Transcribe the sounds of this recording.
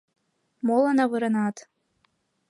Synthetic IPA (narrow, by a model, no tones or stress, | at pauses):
molanavɨɾanaːtʰ